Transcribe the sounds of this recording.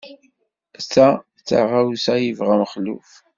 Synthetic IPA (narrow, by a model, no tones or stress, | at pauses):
t͡sːa | t͡sːa̰ʁawsæjəvʁaməχlṵf